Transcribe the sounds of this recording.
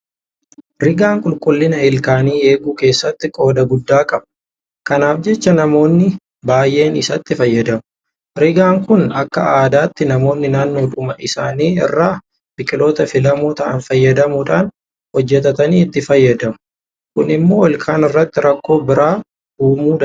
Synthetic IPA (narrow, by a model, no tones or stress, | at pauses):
ɾɪɡaːŋkʼʊlkʼʊlːɪnɐɪlkaːniːe̞ːɡuːke̞ːsːɐt̪ːɪkʼo̞ːd̪ɐɡʊd̪ːaːkʼɐb | kɐnaːfd͡ʒɛt͡ʃːɐnɐmo̞ːnːɪ | baːjʔe̞ːnɪsɐt̪ːɪfɐjːɐd̪ɐmʊ | ɾɪɡaːŋkʊnɐkːɐaːd̪aːt̪ːɪnɐmo̞ːnːɪnaːnːo̞ːᶑʊmɐʔɪsaːniːɪ̰rːaː | b̥ɪkʼɪlo̞ːt̪ɐfɪlɐmoːt̪ɐʔɐnfɐjːɐd̪ɐmuᶑaːn | hɔd͡ʒːɛt̪ɐt̪ɐniːɪt̪ːɪfɐjːɐd̪ɐmʊ | kʊnɪmːo̞ːɔlkʰaːnɪrːɐt̪ːɪɾɐkːo̞ːbɪɾaː | uːmuːd̪ɐ